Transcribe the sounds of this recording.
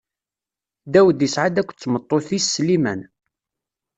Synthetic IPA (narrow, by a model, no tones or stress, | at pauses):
d̪æwəd̪jəsʕad̪ækʷːt͡sːmət̪ˤːoθisːlimæn